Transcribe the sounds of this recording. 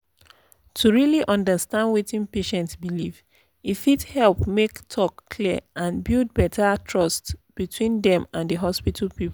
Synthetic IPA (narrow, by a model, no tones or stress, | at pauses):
tʰuɹiliʔɔ̃ndəstãndwitĩnpeʃɛ̃ntsbiliv | ifithɛlˠpmektʰɔkːʰliãnbild̚bɛtʰatʰɹɔstb̥itʰwĩndɛ̃mãndəɦɔspitʰl̩ˠpip